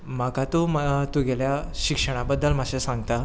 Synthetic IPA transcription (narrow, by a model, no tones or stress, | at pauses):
makat̪umt̪uɡeljaɕikʂəɽ̃abəd̪ːəlm̤əɕesãŋɡt̪a